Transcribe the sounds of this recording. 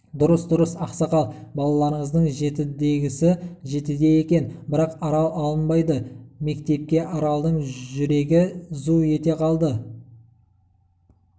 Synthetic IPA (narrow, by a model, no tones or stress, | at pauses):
d̪ʊɾəsd̪ʊɾəsɑqsɑqɑlˠbɑlˠɑlˠɑɾəɴəzd̪əɴʒe̞t̪ɪd̪e̞ɡʲɪsɪʒe̞t̪ɪd̪e̞je̞kʲe̞nbɪɾɑqɑɾɑlˠɑlˠənbɑjd̪əme̞kt̪e̞p̚kʲe̞ʔɑɾɑlˠd̪əɴʒʏɾe̞ɡʲɪzuje̞t̪e̞qʰɑlˠd̪ə